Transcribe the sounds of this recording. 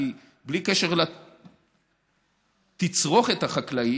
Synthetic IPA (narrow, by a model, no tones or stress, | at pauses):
i | blikeʃeʁla | t̪it͡sʁo̞χet̪aχaklai